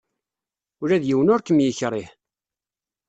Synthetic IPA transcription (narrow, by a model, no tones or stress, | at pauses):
ʊɾæðjiwənʊɾkəmjəçɾˤiħ